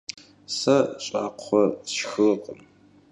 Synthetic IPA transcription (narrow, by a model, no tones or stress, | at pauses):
sɐɕʼaːqʷʰːɔsxɨqʼəm